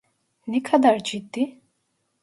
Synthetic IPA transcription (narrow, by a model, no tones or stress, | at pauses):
nɛkʰad̪aɾd͡ʒid̪ːi